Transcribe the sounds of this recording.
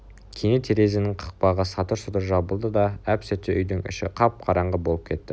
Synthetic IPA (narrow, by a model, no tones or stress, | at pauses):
kʲʰenet̪ʰeɾe̞zɪnɪŋqʰə̥q̚pɑʁəsɑt̪əɾsʊt̪əɾʒɑbəlˠd̪əd̪ɑæpsɵt̪ːeʔʏjd̪ɪŋʏ̰ʃɪ̰qʰɑp̚qʰɑɾɑɴʁəbo̞lˠəp̚kʲʰe̞t̪ːɪ